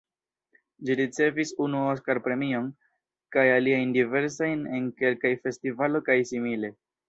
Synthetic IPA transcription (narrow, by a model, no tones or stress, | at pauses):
d͡ʒiɾit͡se̞visunuos̬kaɾpɾe̞mio̞n | kajaliajndive̞ɾs̬ajne̞nke̞lkajfe̞stivalo̞kajsimile̞